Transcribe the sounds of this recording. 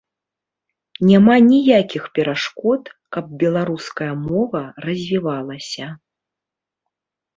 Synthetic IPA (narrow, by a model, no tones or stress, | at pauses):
nʲamanʲijakʲixpʲɛɾaʂkɔt̪kɐb̚bʲɛlˠaɾuskɐjɐmɔvɐrɐzʲvʲivalˠɐsʲɐ